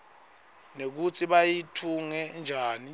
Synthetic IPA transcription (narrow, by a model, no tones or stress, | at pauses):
nek̬ut͡sʰiɓajitʰuŋɛnd͡ʒʱaːni